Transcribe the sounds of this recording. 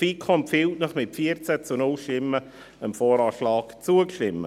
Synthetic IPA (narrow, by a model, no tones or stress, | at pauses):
fiːkʰɔmpfɪltnəχmɪtfiəɾt͡sæt͡sunʊlʃtɪmə | əmfɔːɾɑːʃlɑːkt͡suəkʃtɪmːə̰